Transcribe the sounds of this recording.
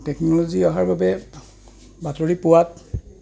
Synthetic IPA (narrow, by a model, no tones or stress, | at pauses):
tɛknɔloziɔɦaɹbabɛ | batoɹipʊwat